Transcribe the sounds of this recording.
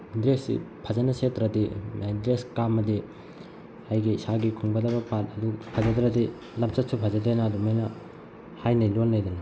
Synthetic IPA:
dɾesḭpʰɐd͡ʒɐnɐsetɾɐdimajdɾeskamɐdi | hajɡisaɡikʰuŋbɐdɐbɐpatɐdupʰɐzɐd̪ɾɐdi | lɐmsɐt̚supʰɐzɐdenɐːdumajnɐ | hajnɐjlonːajdɐnɐ

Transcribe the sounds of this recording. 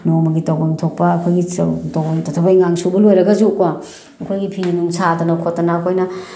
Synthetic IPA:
nomɐɡitawbɐŋtʰok̚pɐːkʰojɡitowbɐŋtʰɐtʰɐbajŋaŋsubɐlojɾɐɡɐzukɐ | ɐkʰojɡipʰininuŋsadɐnɐkʰotːɐnaːkʰojnɐ

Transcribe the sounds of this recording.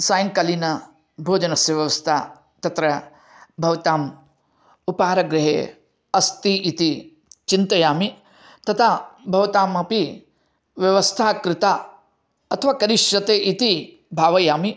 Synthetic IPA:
saːjɐŋkɐlinɐ | bʱoːd͡ʒɐnɐsjɐʋjɐʋɐst̪ʰaː | t̪ɐt̪ɾɐ | bʱɐʋɐt̪aːm | upaːɾɐɡɾɪɦḛː | ɐst̪iʔit̪i | t͡ʃint̪ɐjaːmi | t̪ɐt̪ʰabʱɐʋɐt̪aːmɐpi | ʋjɐʋɐst̪ʰaːkɾɪt̪aː | ɐt̪ʰɐʋaːkɐɾiʃjɐt̪eːʔit̪i | bʱaːʋɐjaːmi

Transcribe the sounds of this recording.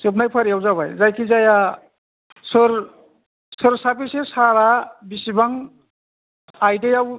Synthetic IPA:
sepnajpʰəɾjawzabʱa̰jzajkʰizaja | sɯɾ | sɯɾsapisesaɾabisibaŋ | ajdejaw

